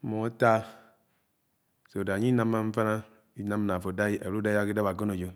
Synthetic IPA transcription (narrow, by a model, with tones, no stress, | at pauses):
mo˨˦ta˦ | so˨da˨ɲi˦na˦mːa˦ɱ̩˦fa˦na˦ | i˦na˦m˨na˨fo˨da˦a̰˨ɾu˦da˦ja˦ki˦da˦ba˨ɡo˦no˨d͡ʒo˨